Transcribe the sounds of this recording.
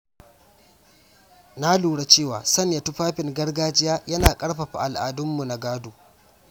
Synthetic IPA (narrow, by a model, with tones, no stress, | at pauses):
na˦luː˨ɽa˨t͡ʃeː˦˨waː˨sɐ˦nja˨tʊ˦ɸaː˦ɸɪ˨ŋɡɐ˦rɡaː˦d͡ʒɪ˦jaː˦jɐ˦naː˨kʼɐ˦ɽɸa˨ɸa̰˨ʔa˨lʔa̰ː˨dʊ˦mːu˨na˨ɡaː˦duː˨